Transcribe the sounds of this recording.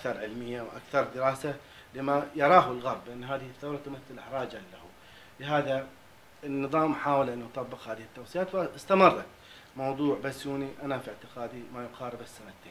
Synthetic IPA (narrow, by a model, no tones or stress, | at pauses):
ʔakθɑɾˤʕɪlmɪjːawʔa̰kθɑɾˤd̪ɪɾɑːsa | lɪmajɑɾˤɑːɦɪlɣɑɾˤbːʔanːɦaːðɪhiθːawɾˤɑt̪ʊmaθːɪlʔɪħɾˤɑːd͡ʒaːahu | lɪɦaːða | ɪnːɨðˤɑːmħaːwalʔanʔɑt̪ˤɑbːɨqhaːðɪhɪt̪ːawsˤijaːt̪wɪɪst̪amɨrˤːɑ | mɑwðˤuːʕbasːjuːniʔanafiʕt̪ɪqɑːd̪imajʊqɑːɾɪbɪsːanat̪ːeː